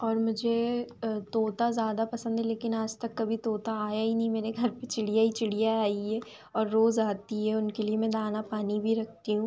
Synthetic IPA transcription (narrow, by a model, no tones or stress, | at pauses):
ɔːɾmʊd͡ʒʱet̪oːt̪azjaːd̪apɐsə̃nd̪ʱɦɛleːkɪnaːd͡ʒt̪ɐkːɐbʱit̪oːt̪aaːjaɦinɐɦĩmeːɾeɡʱɐɾpet͡ʃɪɽ̤ijait͡ʃɪɽijaaːiɦɛ | ɔːɾːoːzaːt̪iɦɛʊnkeliemɛ̃d̪aːnapaːnibʱiɾɐk̚ʰt̪iɦũː